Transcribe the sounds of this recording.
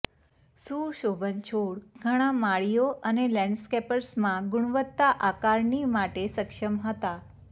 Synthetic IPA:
suːʃobʱənt͡ʃʰoɽɡʱəɽ̃ãmaɭijoʔənelɛ̃ɳɖskepəɾsmãɡʊɳ̃ʋət̪ːaʔakaɾɳimaʈesəkʂəmɦət̪a

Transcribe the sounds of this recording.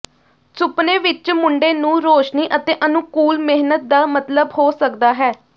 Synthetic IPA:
sʊpnẽːʋɪt͡ʃmʊɳɖeːnũːɾoːʃniːʔət̪eːʔənũkuːlmɪɦnət̪̚d̪aːmət̪ləbhoːsək̚d̪aːɦɛː

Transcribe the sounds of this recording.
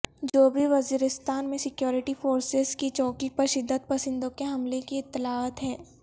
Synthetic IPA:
d͡ʒoːbʱiʋɐziːɾɪst̪aːnmẽsɪkjɔːɾɪʈifoːɾsɪzkit͡ʃɔːkipɐɾʃɪd̪ːəd̪̚pɐsɪ̃nd̪õkeɦɐmlekiɪt̪ːɪlaːət̪ɦɛː

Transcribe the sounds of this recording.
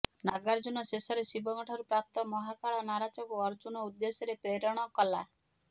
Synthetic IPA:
naɡaɾd͡ʒunɔsesɔɾesibɔŋɔʈʰɔɾupɾap̚t̪ɔmɔɦakaɭɔnaɾat͡ʃɔbuɔɾd͡ʒunɔud̪ːesɔɾepeɾɔɽ̃ɔkɔla

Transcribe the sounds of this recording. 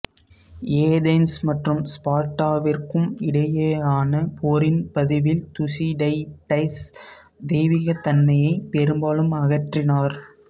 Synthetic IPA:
eːd̪ɐɪnsmɐʈrɯmspaːʈːaːʋɪrkɯmɪɽɐjeːaːnɐpʰoːɾɪnpɐðɪʋɪlt̪ʊsiɖɐɪʈɐɪs | d̪eːʋɪɣɐt̪ɐnmɐjɐɪpɛɾɯmbaːlɯmɐɣɐʈrɪnaːɾ

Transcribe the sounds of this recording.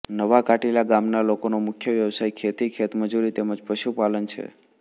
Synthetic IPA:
nəʋakaʈilaɡamnalokonomʊkʰjəʋjəʋsajkʰet̪ikʰet̪məd͡ʒuɾit̪eməd͡ʒpəʃupalənt͡ʃʰḛ

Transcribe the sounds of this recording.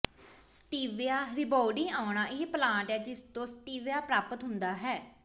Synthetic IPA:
sʈiːʋɪjaːɾɪbɔːɖɪːaːnaːʔɪplãːɳʈɦɛːd͡ʒɪst̪õːsʈiːʋjaːpɾaːpət̪ɦʊnd̪aːɦɛː

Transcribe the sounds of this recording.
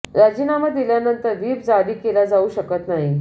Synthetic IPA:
ɾad͡ʑinaməd̪ieljanənt̪əɾʋiːpd͡zaɽiːkelad͡zauːɕəkət̪naɦi

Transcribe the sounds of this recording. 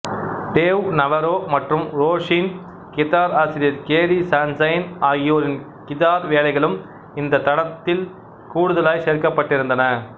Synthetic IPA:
ɖeːʋnɐʋɐɾoːmɐʈrɯmɾoːʂiːn | kɪt̪aːɾaːsɪɾɪjɐɾkeːɾisaːnsɐjnaːɣɪjoːɾɪn | kɪt̪aːɾʋeːlɐɪɣɐɭɯm | ɪnd̪ɐt̪ɐɽɐt̪ːɪl | kuːɽɯðɐlaːjseːɾkɐpːɐʈːɪɾɯnd̪ɐnɐ

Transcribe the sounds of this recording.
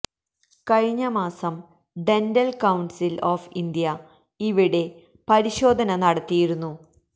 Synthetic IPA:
kɐɻiɲːɐmaːsɐm | ɖe̞ndɐlkɐwɳɖsiloːfind̪jɐ | iʋiɽe̞ | pɐɾiɕo̞ːd̪ʱɐnɐnɐɽɐt̪ːijiɾunːu

